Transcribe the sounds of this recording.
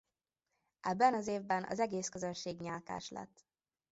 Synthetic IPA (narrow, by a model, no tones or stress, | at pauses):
ɛbːɛnɒzeːvbɛnɒ̰zɛɡeːskøzønʃeːɡɲaːlka̰ːʃlɛ̰t̪ː